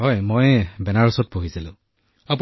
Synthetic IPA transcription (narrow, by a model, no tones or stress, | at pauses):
ɦɔjmojbɛnaɹusɔt̚poɦisilʊ̰̃ | apu